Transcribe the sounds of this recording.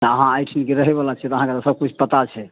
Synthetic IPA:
t̪əɦãajʈʰinkeɾəɦɛbalat͡ʃʰɛt̪ɔəɦãket̪osəb̚kut͡ʃʰpət̪at͡ʃʰɛ

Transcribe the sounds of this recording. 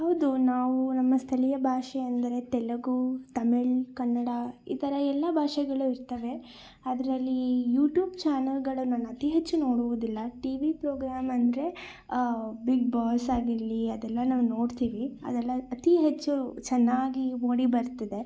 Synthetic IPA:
hɦɐwd̪unaːʋunɐmːɐst̪ʰɐlijɐbʱaːʂɛɐnd̪ɐɾe̞t̪ɛlɐɡut̪ɐmeɭkɐɳːɐɽɐḭːt̪ɐɾɐɛlːɐbʱaːʂɛɡɐɭuiɾt̪ɐʋe̞ | ad̪ɐɾɐlːijuːʈjuːbt͡ʃaːnɐlɡɐɭunaːnuɐt̪iɦet͡ʃːuno̞ːɽuʋud̪ilːɐʈiʋipɾoːɡɾaːmɐnd̪ɐɾe̞ | biɡbaːsaːɡiɾliɐd̪ɛlːɐnaːʋuno̞ːɽt̪iːʋiɐ̰d̪ɛlːɐːt̪iɦet͡ʃːut͡ʃɛnːaːɡimoːɽibɐɾt̪ɐd̪e̞

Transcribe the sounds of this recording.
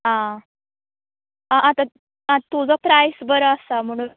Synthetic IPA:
ɦã | ãʔat̪ã | ãt̪ud͡zɔpɾajsbəɾəasam̤əɽ̃ũ

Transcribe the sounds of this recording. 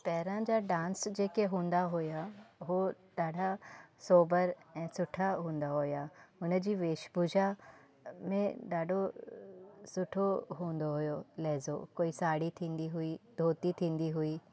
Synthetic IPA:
pɛːɾãd͡ʒaɖãːnsd͡ʒeːkeɦũːnd̪aɦojaʋo | ɖaːɖʱasoːbəɾɛ̃ːsʊʈʰaɦũːnd̪aɦoːjaːʊnəd͡ʒiʋeːʃbud͡ʒʱa | mẽɖaːɖʱo | sʊʈʰoɦũːnd̪oɦʊjoːlɛːzokoːisaːɽit̪ʰĩːnd̪iɦʊiːd̪ʱoːt̪it̪ʰĩːnd̪iɦʊiː

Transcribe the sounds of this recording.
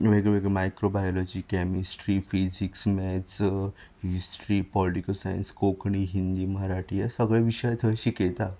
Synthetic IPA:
ʋeɡɭeʋeɡemajkɾobajɔlɔd͡ʑiːkɛmisʈɾiːfid͡ʑiksmɛt͡s | hisʈɾiːpɔliʈikəlsajə̰nskokɳiɦind̪iːməɦaɾaʈʰiɛsəɡɭeʋiɕəjt̪ʰəɕiket̪a

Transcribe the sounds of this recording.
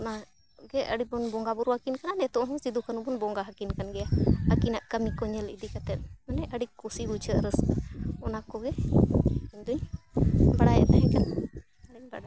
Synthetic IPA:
ɔna | ɡɛəɽibɔnbɔŋɡabuɾwakinkananɛt̪ɔʔɦɔ̃sid̪ukʰanubɔnbɔŋɡaɦakinkanɡɛjahəkinaʔkəmikɔɲɛlḭd̪ikat̪ɛt̪̚ˀmanɛʔəɽikusibut͡ʃʰəʔɾəskaɔnakɔɡɛ | iɲd̪uɲ | baɽajɛ̰t̪aɦɛ̃kan | aiɲba̰ɽa

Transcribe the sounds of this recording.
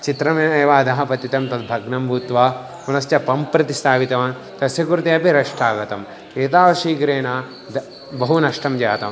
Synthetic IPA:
t͡ʃit̪ɾɐmeːeːʋaːd̪ɐɦɐpɐt̪it̪ɐmt̪ɐd̪bʱɐɡnɐmbʱuːt̪ʋaː | kunɐst͡ʃɐpɐmpɾɐt̪ist̪ʰaːʋit̪ɐʋaː | t̪ɐsjɐkuɾut̪iɐpiɾɐʂʈʰaːɡɐt̪ɐm | eːt̪aːʋɐʃiːkɾeːna | d̪ | bɐɦunɐʂʈɐmd͡ʒaːt̪ɐm

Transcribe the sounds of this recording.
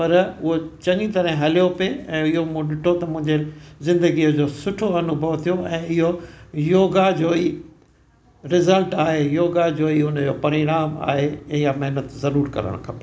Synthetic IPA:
pɐɾʊɦot͡ɕɐ̃ŋit̪ɐɾɦɪ̃ɦɐlijopeɛ̃ːɪɦom̃ɗɪʈʰot̪ɐmʊ̃ɦɪ̃ɲd͡ʑezɪ̃nd̪əɡiəd͡ʑoːsʊʈʰoɐnʊbʱɐʋt̪ʰijoɛ̃ːɪɦojoːɡad͡ʑoːiː | ɾɪzəlʈaːɦejoːɡad͡ʑoːiʊnəd͡ʑoːpɐɾɪɾaːma̰ːɦejamɐɦɪnət̪zɐɾuːɾkɐ̰ɾə̰ɽ̃kʰɐpeː

